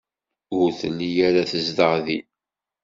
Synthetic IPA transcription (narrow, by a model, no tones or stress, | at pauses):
ʊɾθənːijæɾaθəzd̪əʁði